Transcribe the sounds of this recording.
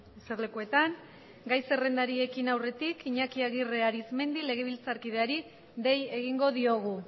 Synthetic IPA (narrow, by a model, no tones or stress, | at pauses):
eseɾle̞kue̞t̪aŋ | ɡajse̞re̞nd̪aɾie̞kinawre̞t̪ikiɲakiaɣire̞aɾizme̞nd̪ile̞ɣ̞e̞β̞ilt͡saɾkið̞eaɾi | ðe̞je̞ɣ̞iŋɡo̞ðio̞ɣ̞u